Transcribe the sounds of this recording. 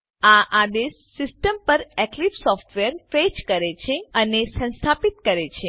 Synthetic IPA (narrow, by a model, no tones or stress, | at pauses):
aʔad̪esːisʈəmpəɾɛklifsɔfʈʋeəɾfed͡ʒkəɾet͡ʃʰeənesə̃nst̪ʰapit̪̚kəɾet͡ʃʰe